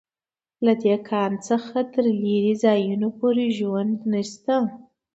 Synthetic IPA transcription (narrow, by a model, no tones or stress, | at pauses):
lad̪ekʰɑnt͡səxat̪əɾliɾizɑjunopoɾeʒwand̪naʃt̪a